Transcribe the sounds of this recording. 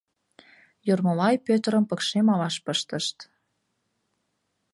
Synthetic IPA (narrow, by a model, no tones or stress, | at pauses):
jormɤ̆lɑjpøt̪əɾə̆mpə̆kʃemɑlɑʃpəʃt̪ə̆ʃt̪